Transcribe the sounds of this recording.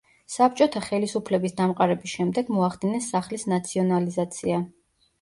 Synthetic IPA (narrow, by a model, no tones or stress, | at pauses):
sap̚ʰt͡ʃʼɔt̪ʰaχɛlisupʰlɛbisd̪amqʼaɾɛbisʃɛmd̪ɛɡmɔaχd̪inɛsːaχlisnat̪sʰiɔnalizat̪sʰia